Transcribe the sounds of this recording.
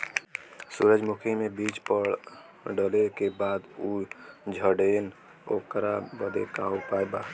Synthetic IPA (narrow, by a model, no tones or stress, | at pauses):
suɾəd͡ʒmukʰimebit͡ʃpəɾ | ɖəlekebad̪ud͡ʒʱəɖen | okɾabəd̪ḛkaopaeba